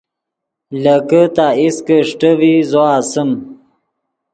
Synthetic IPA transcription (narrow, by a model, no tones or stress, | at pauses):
ləkət̪aiskəʂʈəwizoasəm